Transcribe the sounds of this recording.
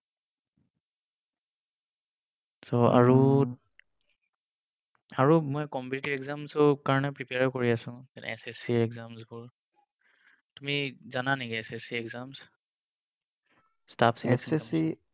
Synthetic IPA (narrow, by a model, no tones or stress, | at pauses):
soa̰ɹu | aɹumɔjkɔmpitibɛɡzamsɔkaɹɔnɛpɹipeaɹkoɹiasʊ̃ɛn̰ɛsesiɹɛɡzamsbʊɹ | tumizananikiɛsesiɛɡzams | stapʰsiɛsɛsi